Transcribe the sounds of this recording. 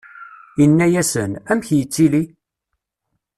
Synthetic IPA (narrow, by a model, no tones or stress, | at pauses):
inːæjæsənæmçjət͡sːili